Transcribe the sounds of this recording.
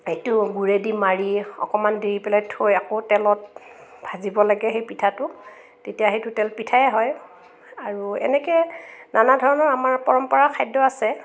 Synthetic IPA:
hejtʊɡuɹedimaɹiɔ̰kɔmandiɹipɛlajtʰojakotɛlɔt̚bʱazibɔlaɡɛxejpitʰatʊ | tetijaxejtʊtɛlpitʰajɛɦɔj | aɹuɛ̰nɛkɛnanadʱɔɹɔnɔɹamaɹpɔɹɔmpɔɹakʰajdɔasɛ

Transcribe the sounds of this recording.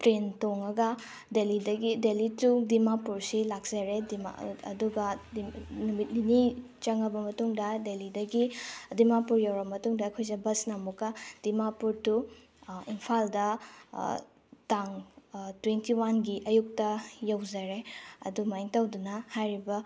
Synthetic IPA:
pɾentoŋɐɡɐ | delidɐɡidelitudimapuɾsilak̚z̥ɐɾedima̰ɐ̰duɡɐ | numit̚nini | t͡ʃɐŋɐbɐmɐtuŋdɐdelidɐɡidimapuɾjawɾɐmɐtuŋdɐːkʰojzɐbɐsnɐmukɐd̥imapuɾtu | impʰaldɐ | taŋtwentiwanɡiʔɐjuk̚tɐjɐwzɐɾeɐ̰dumajŋtɐwdunɐhajɾibɐ

